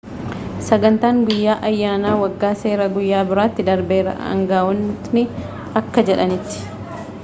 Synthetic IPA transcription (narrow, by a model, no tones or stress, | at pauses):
sɐɡɐnt̪aːŋɡʊjːaːʔɐjːaːnaːwɐɡːaːse̞ːɾɐɡʊjːaːbɪɾaːt̪ːɪd̪ɐɾbe̞ːɾɐ̰ɐ̰ŋɡaːwɔnnɪ | ɐkːɐd͡ʒɛᶑɐnɪt̪ːɪ̥